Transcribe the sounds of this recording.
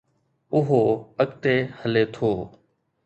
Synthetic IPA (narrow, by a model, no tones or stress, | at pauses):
ʊɦoːəkt̪eːhəleːt̪ʰoː